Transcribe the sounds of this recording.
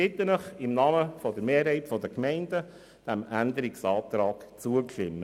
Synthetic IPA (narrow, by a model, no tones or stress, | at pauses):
ɪt̪ːənəχɪmnɑːməfɔd̪əɾmeːɾɦɛɪtfɔdəkmɛɪndə | d̥æmænd̪əɾɪksɑːt̪ɾɑːɡ̥t͡suəklɪmːə